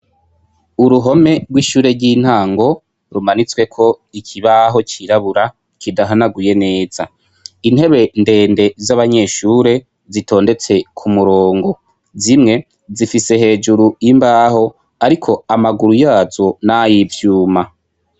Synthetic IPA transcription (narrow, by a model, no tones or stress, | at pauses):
uɾuɦo̞me̞ɡwiːʃuːɾe̞ɾɟin̥haːŋɡo̞ | ɾumanit͡swe̞kʰo̞ikʰiβaɦo̞t͡ʃiɾaβuɾa | kidaɦanaɡuje̞ne̞ːz̥a | in̥he̞βe̞nde̞ːnde̞zaβaɲe̞ʃuːɾe̞ | zitʰo̞ːnde̞t͡se̞kʰumuɾoːŋɡo̞ | zimŋe̞ | zifise̞ɦe̞ːd͡ʒuɾuimbaːɦo̞ | aɾikʰo̞amaɡuɾujaːzo̞najivjuːma